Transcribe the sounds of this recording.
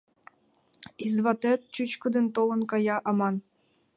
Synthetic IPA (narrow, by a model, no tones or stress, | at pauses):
izvɑt̪ĕt̪̚t͡ɕyt͡ɕkɤ̆d̪ɘ̆nt̪olˠɤ̆nkɑjɑʔɑmɑn